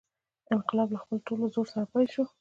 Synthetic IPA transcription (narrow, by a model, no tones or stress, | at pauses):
ɪnqɪlɑblaxpəlʈolozoɾsaɾapajlʃu